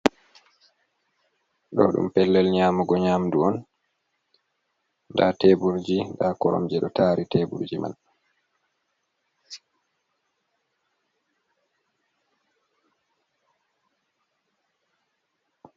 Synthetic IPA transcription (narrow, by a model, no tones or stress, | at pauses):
ɗɔ̰ɗṵmpɛlːɛlɲaːmɔɡɔɲamduɔn | ndateːbuɾd͡ʒindakɔɾɔ̰md͡ʒɛɗɔ̰taːɾiteːbṵɾd͡ʒima̰n